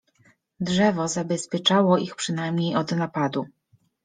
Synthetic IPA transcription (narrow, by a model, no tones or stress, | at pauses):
dʐɛvɔzabɛspʲjɛt͡ʂawɔʔixpʂɘnajmɲejɔd̪napad̪u